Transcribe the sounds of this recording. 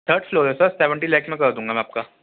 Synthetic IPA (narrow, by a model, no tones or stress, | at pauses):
t̪ʰəɾɖfloːd͡ʒɛsaseʋə̃ɳʈilɛːkmẽkɐɾd̪ũːŋɡamɛ̃aːp̚ka